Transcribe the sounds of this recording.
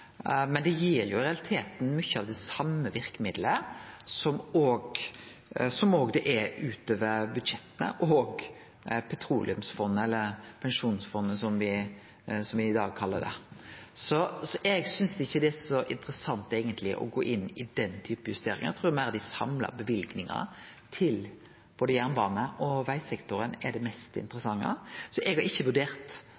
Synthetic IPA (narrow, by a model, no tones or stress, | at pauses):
mɛnd̪ɛjiːɾjʊɪɾɛɑlɪt̪ʰeːt̪n̩mʏçːəɑʋd̪ɛsɑmːəʋɪɾkəmɪd̪ləsɔmoːɡ | sɔmoːɡd̪ɛʔɛɾʉːt̪øːʋəɾbʉd̪ʃɛt̪ːənə̰ʔoɡ | pʰɛt̪ʰɾuːlʔɪʉmsfɔnːəɛlːəɾpʰɛnʂuːnsfɔnːəsɔmʋɪ | sɔmʋɪɪd̪ɑːɡ̚kʰɑlːəd̪ɛ̰sɔsɔʔɛɡsʏnsd̪ɪçːəd̪ɛæsɔʔɪ̰nt̪ɾəsɑnt̪eːɡənt̪lɪʔɔ̰ɡoːʔɪnːɪd̪ɛnt̪ʰyːpəjʉst̪eːɾɪ̰ŋəɑ̰t̪ʰɾuːmæɪɾɑʋd̪ɪsɑ̰mlɑ̰bɛʋɪlɡnɪŋɑ̰t̪ʰɪl | b̥oːd̪əjæʁnbɑːnəʔɔʋæɪsɛkt̪ʊɾənɛɖ̪ɛmɛst̪ɪ̰nt̪ɾəsɑŋːə̰sɔʔɛɡhɑɾɪçːəʋʉɖeːɾt̪